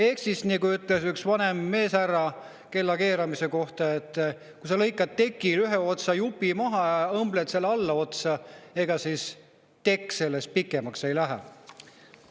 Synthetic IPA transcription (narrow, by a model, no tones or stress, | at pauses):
e̞ksisnikuyt̪ːˑle̞syksvɑnemːe̞ːsærːɑ | ke̞lːɑke̞ːɾɑmise̞ko̞ht̪ɑe̞t̪ːˑ | kusɑlɤjkːˑɑd̪̚t̪e̞kˑːilyɦeo̞t̪sɑjupːimɑɦɑjɑɤmblet̪se̞lːɑlːɑo̞t̪sɑe̞ɡ̥ɑsis | t̪e̞kːse̞lːest̪̚pikːˑemɑkse̞jlæɦæ̰